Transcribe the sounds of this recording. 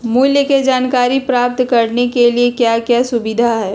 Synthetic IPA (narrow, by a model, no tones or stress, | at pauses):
mʊljəked͡ʒaːnkaːɾipɾaːp̚t̪kɐɾnekeliekjakjasʊbɪd̪ʱaɦɛː